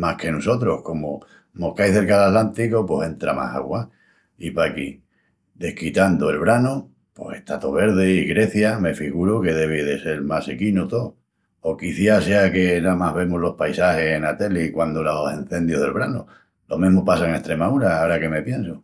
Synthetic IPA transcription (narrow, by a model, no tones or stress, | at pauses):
mahke̞noso̞t̪ɾohko̞mo | mokajθe̞ɾkalat̪lant̪ikopwose̞nt̪ɾa̰ma̰ha̰ɣwa | ipaki | d̪e̞hkit̪and̪oe̞lβɾano | pwose̞̰ht̪at̪oβe̞ɾðeiɣɾe̞θjame̞fiɣuɾoke̞ðe̞β̞eðe̞se̞lmasekinot̪o | okiθjase̞ake̞namaβe̞mozlo̞hpajsahe̞henat̪e̞likwand̪olosen̟θe̞nd̪joɦðe̞lβɾano | lo̞̰mẽɦmopas̬aŋe̞ht̪ɾe̞mauɾaaoɾake̞me̞pje̞nso